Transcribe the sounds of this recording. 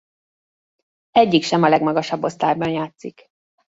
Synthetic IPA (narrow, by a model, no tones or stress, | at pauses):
ɛɟːikʃɛmɒlɛɡmɒɡɒʃɒbːo̞st̪aːjbɒnjaːt̪sik